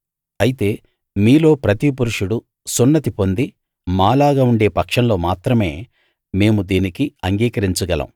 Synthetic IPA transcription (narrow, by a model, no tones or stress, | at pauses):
ɐjit̪e̞ː | miːlo̞ːpɾɐt̪ip̬uɾuʂuɽu | sunːɐt̪ipo̞nd̪i | maːlaːɡaːuɳɖe̞ːpɐkʂɐnlo̞ːmaːt̪ɾɐme̞ː | me̞ːmud̪iːnikiɐŋɡiːkɐɾiɲt͡ʃuɡɐlɐ̰m